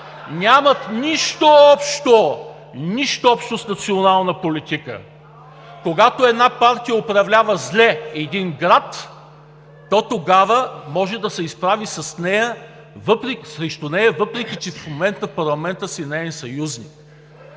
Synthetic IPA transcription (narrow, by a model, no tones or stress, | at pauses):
nʲamɐt̪nʲiʃt̪oɔpʃt̪o | niʃt̪oɔpʃt̪osnɐt̪sionalˠnəpolit̪ikə̰ | koɡat̪oɛd̪napaɾt̪ijəopɾɐvlʲavəzlʲɛɛd̪inɡɾat̪ | ɔt̪oɡavəmɔʒɛd̪ɐsɛispɾavisɐsnɛjə | vɤpɾɛkʲsɾɛʃt̪onɛjɐvɤpɾɛkʲit͡ʃɛfmomɛnt̪əpɐɾlˠɐmɛnt̪əsinɛɛnsɐjuznik